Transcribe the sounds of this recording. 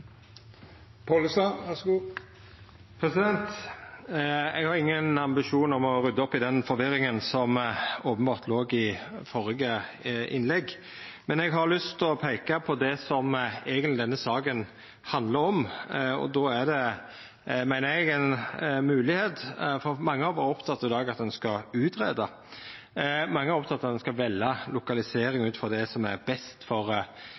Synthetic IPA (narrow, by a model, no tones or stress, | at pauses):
pʰɑlsɑʋæsɡuː | pʰɾɛsɪd̪ɛnt̪ | ɛɡhɑɾɪŋːənɑmbɪʃuːnɔmɔɾʉd̪ːəɔpːɪd̪ɛnfɔɾʋɪɾɪŋənsɔmoːpənbɑːɾt̪ʰloːɡɪfɔɾəɡəʔɪ̰nlɛɡː | mɛnɛɡɦɑɾlʏst̪ɔpʰeɪkɑpʰɔd̪ɛsɔmeɡənlɪd̪ɛnːəsɑːkən | hɑnd̪ləɾɔmɔ̰d̪oːæd̪ɛ | mæɪnəɛɡɛnmʉːlɪheːt̪fɔɾmɑŋːəɑʋɔɾɔpt̪ʰɑt̪ːɑɾɪd̪ɑːɡɑt̪̚d̪ɛnskɑʉːt̪ɾeːd̪ɑ | mɑŋːəɛɾɔpt̪ʰɑt̪ːɑt̪d̪ɛnskɑʋɛlːɑlʊkɑlɪseːɾɪŋʉːt̪fɔd̪ɛsɔmæɾbɛst̪fɔɾ